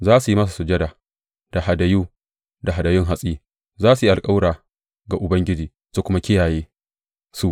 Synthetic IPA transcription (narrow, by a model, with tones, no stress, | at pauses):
zaː˦su˨ji˦mɐ˦s̬a˨su˨d͡ʒɐ˦daː˨ | d̥a˨ɦa˨da˨juː˦ | da˨ɦa˨dɐ˨jʊ˦ŋɦa˦sʼiː˦ | zaː˦s̬u˨ji˦ʔa˨kʼa˦wɽaː˨ | ɡa˨ʔʊ˨bɐ˦ŋɡʲɪ˦d͡ʒiː˨ | su˨kʷʊ˦ma˦kʲɪ˦jaː˨jeː˦ | su˦ʔ